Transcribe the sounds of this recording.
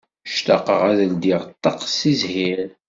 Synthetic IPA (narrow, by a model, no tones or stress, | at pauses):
ʃt̪ɑ̰qəʁæðəld̪iʁt̪ˤːɑqsizhiɾ